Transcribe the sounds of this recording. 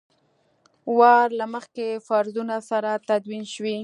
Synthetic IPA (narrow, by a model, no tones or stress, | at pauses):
wɑɾlaməxkefaɾzunasaɾat̪ad̪winʃwi